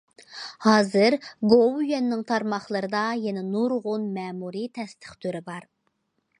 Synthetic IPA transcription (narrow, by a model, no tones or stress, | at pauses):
hɑːzɨɾɡowjɛnːɪŋt̪ʰɑɾmɑχlˠəɾɨd̪ɑjɛnɛnuɾʁʊnmɛːmuɾit̪ʰɛst̪ʰə̥χt̪ʰøɾɪbɑɾ